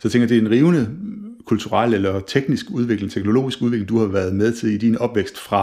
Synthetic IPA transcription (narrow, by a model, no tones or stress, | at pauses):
sɒt͡sʰeŋɡ̥jɐd̥e̝æenʁiːʊnəkʰult͡sʰuʁɑl̰elɐt͡sʰeɡ̥nisɡ̥uð̞ˠʋe̝ɡ̥leŋ̩t͡sʰeɡ̥no̝lo̝̰ːisɡ̥uðˠe̝ɡle̝ŋd̥uhɑ̈ʋæɐð̞ˠmeð̞ˠt͡sʰe̝lid̥inɒ̽b̥ʋeɡ̥sd̥fʁɑ̈